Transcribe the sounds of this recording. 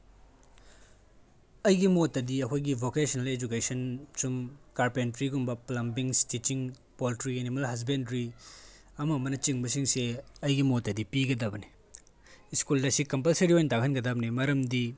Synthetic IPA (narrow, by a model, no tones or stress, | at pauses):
ɐjɡimotːɐdiɐkʰojɡibʱokesɐnɐled͡ʒukesɐnsumkaɾpentɾiɡumbɐplɐmbiŋstit͡ʃiŋ | poltɾienimɐlɦɐs̬bendɾi | ɐmɐːmɐnɐt͡ʃiŋbɐs̬iŋseɐjɡimotːɐdipiɡɐdɐbɐni | iskuldɐsikɐmpɐlseɾiojntakʰɐnɡɐdɐbɐnimɐɾɐmdi